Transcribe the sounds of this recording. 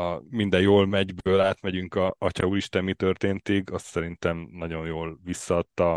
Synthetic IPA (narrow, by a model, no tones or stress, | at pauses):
ɒmind̪ɛjoːlmɛɟbøːlaːt̪mɛɟyŋkɒɒcɒuliʃt̪ɛmːit̪ø̞rt̪eːnt̪iɡɒst̪sɛɾint̪ɛmnɒɟo̞njoːlʋisːɒːt̪ːɒ